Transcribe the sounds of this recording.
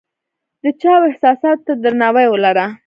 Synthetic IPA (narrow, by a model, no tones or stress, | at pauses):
d̪ət͡ʃɑwɪhsɑsɑt̪t̪ːad̪əɾnɑwajwəlaɾa